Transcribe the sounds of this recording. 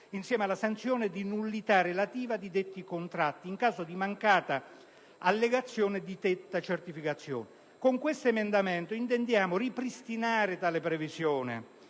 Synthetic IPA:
insjɛːmealːasant̪sjɔːnɪd̪inulːit̪arːelat̪iːvad̪id̪et̪ːikont̪ɾat̪ːiːŋkaːzod̪imaŋkaːt̪a | alːeɡat̪sːjoːnɪd̪it̪et̪ːat͡ʃert̪ifikat̪sːjɔ̰ːnɪ | koŋkwest̪oemend̪amɛnt̪oint̪̬ɛnd̪jaːmʊripɾist̪inaːɾɪt̪aːlɪpɾevizjɔːnɪ̰

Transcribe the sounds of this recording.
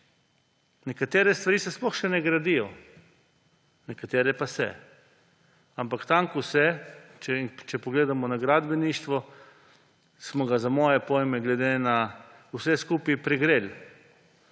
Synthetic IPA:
nɛkat̪eːɾɛst̪ʋaɾiːsɛsplɔxʃɛnɛɡɾad̪ijɔ | nɛkat̪eːɾɛpasɛ̰ | ampakt̪aŋkuwsɛt͡ʃɛt͡ʃɛpɔɡleːd̪amɔnaɡɾad̪bɛniːʃt̪ʋɔ | smɔɡazamɔːjɛpɔjmɛɡlɛd̪ena | usɛskuːpipɾɛɡɾel

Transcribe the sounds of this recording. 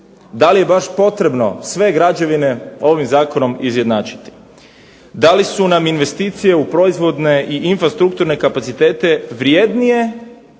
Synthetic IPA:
d̪alije̞baʃpo̞t̪ɾe̞bno̞sʋe̞ɡɾad͡ʒeʋine̞o̞ʋimzaːko̞no̞mizje̞d̪naːt͡ʃi̥t̪i̥ | d̪alisunaminʋe̞st̪iːt̪sije̞upɾo̞izʋo̞d̪ne̞ʔiʔinfɾast̪ɾuk̚t̪uɾne̞kapat̪sit̪e̞ːt̪e̞ʋɾje̞ːd̪nije̞

